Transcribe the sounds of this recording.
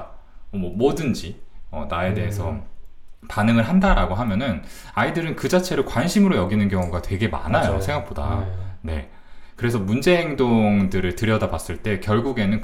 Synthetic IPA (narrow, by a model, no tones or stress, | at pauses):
ʌmʌmodɯnd͡ʑiʌ̰nae̞de̞e̞sʰʌ | panɯŋɯɭɦandaɾaɡoɦamjʌnɯn | aidɯɾɯnkɯd͡ʑat͡ɕʰe̞ɾoɭkwanɕʰimɯɾojʌɡinɯnkjʌŋuɡatwe̞ɡe̞ma̰najo̰sʰe̞ŋɡak̚p͈oda̰ne̞̰ | kɯɾe̞sʰʌmund͡ʑe̞ɦeŋdoŋdɯɾɯɭtɯɾjʌdabas͈ɯɭt͈e̞kjʌɭɡuɡe̞nɯn